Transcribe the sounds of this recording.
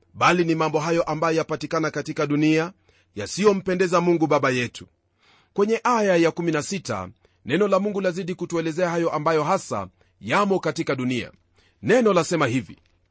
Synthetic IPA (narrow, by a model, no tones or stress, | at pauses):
ɓalinimambɔɦajɔʔambajɔjapatikanakatikaɗunia | jasijɔm̩pɛndɛzamuŋɡuɓaɓajɛtʰu̥ | kwɛɲɛʔajajakuminasita̰ | nɛnɔlamuŋɡulaziɗikutuɛlɛzɛahajɔʔambajɔɦasa̰ | jamɔkatikaɗunia̰ | nɛnɔlasɛmahivḭ